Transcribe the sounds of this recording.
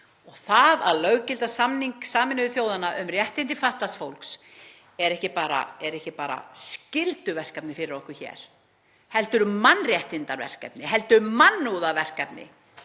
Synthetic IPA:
ɔɣθaðaðlœɣcɪlt̪asamniŋksaːmɪnʏvɪθjoːwðanaʔʏmrjɛht̪ɪnt̪ɪfaht̪lasfowlks | ɛɾɛhcɪpaːɾa̰ɛɾɛhcɪpaːɾa̰scɪlt̪ʏvɛr̥kapnɪfɪɾɪɾɔhkʏ̥çɛ̰ːɾ̥ | hɛlt̪ʏɾmanːrjɛht̪ɪnt̪aɾvɛ̰r̥kɛ̰pnɪhɛlt̪ʏmanːuːðavɛr̥kɛpnɪ̰

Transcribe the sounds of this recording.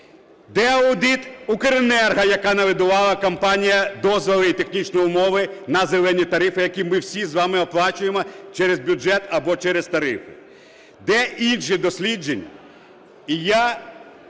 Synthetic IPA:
d̪ɛɐʊd̪it̪ʊkeɾenɛrɦɐjɐkɑnɐʋɪd̪ʊʋɑlˠɐkɐmpɑnʲijɐd̪ɔzʋɔlˠɪit̪e̞xnʲit͡ʃnɔjʊmɔʋɪnɐzelˠɛnʲit̪ɐɾɪfɪjɐkʲimɪwsʲizʋɑmɪɔplˠɑt͡ʃʊjemɔt͡ʃɛɾezbʲʊd͡ʒɛt̪ɐbɔt͡ʃɛɾest̪ɐɾɪ̰fɪ | d̪ɛinʃɪd̪ɔsʲlʲid͡ʒenʲ | ija

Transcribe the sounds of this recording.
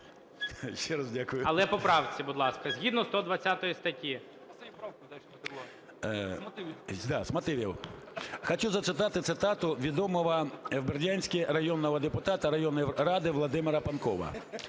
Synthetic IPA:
ʃt͡ʃɛɾɐzdʲakʊjʊɐlˠɛpɔpɾɑwt͡sʲibʊd̪lˠɑskɐzʲɦʲid̪nɔst̪ɔd̪ʋɐt͡sʲːat̪ɔjist̪ɐtʲi | d̪ɑsmɐt̪ɪʋʲḭw | xɔt͡ʃuzɐt̪sɪt̪ɑt̪ɪt̪sɪt̪ɑt̪ʊʋʲid̪ɔmɔʋɐwberdʲanʲsʲkʲɪrɐjɔnːɔʋɐd̪epʊt̪ɑt̪ɐɾɐjɔnːɔjɾɑd̪ɪʋlˠɔd̪ɪmɪɾɐpɐnkɔʋɐ̰

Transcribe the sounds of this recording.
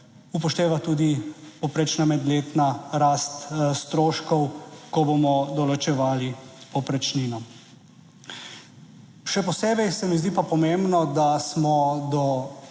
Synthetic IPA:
upɔʃt̪eːʋat̪uːd̪ipɔpɾet͡ʃnamɛd̪leːt̪naɾast̪st̪ɾoːʃkɔwkɔbomɔd̪ɔlɔt͡ʃɛʋaːlipɔpɾɛt͡ʃninɔ | ʃɛpɔseːbɛjsɛmizd̪iːpapɔmembnɔd̪asmɔd̪ɔ

